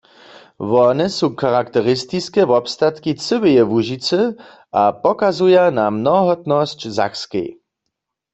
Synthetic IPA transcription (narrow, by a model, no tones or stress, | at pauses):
vɔnɛsukaʁakt̪ɛʁɪst̪iskɛːvɔpst̪at̪kit͡sɨbɛjɛvuʒit͡sɛ | apɔkazujanamnɔɦɔt̪nɔscza̰xskɛ̰j